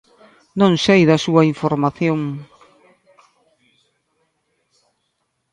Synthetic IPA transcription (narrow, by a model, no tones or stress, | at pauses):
nõŋsejðɐsuɐiɱfoɾmaθjoŋ